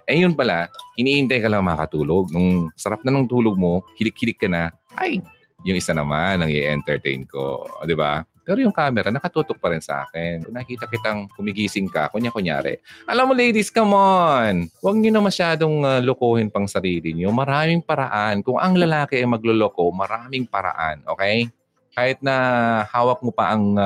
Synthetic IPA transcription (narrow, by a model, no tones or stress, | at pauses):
ʔɛjʊnpɐlahɪniːhɪnt̪ɐjkɐlaŋɐŋmɐɐkɐt̪uːloɡ̚nʊŋsɐɾap̚nɐnɐŋt̪uːloɡ̚mo̞hɪlɪk̚hɪlɪkːɐnɐ | ʔa̰j | jʊŋɪsanɐ̰manːɐŋɛ̰ʔɛ̰nt̪ɛɹt̪ɛ̰jnko̰d̪ɪba̰pɛːɾojʊŋkaːmɛɾɐnɐkɐt̪uːt̪ok̚pɐɾɪnsɐ̰ʔa̰ːkɛnonɐkiːt̪ɐkɪt̪aŋhʊmɪɡiːsɪŋkɐ̰kʊnɲakʊŋja̰ːɾɛ̰ʔɐlamːolejd̪ɪskɐmonwɐɡ̚ɲonɐmɐʃaːd̪o̞ŋalokoːhɪnpɐŋsɐɾiːlɪɲomɐɾaːmɪŋpɐɾɐʔankʊŋʔɐŋlɐlaːkɪʔɐmɐɡ̚loloko̞mɐɾaːmɪŋpɐɾɐ̰ʔa̰nʔo̞ːkɛj | kaːhɪt̪̚nɐhaːwɐk̚mopɐʔɐŋ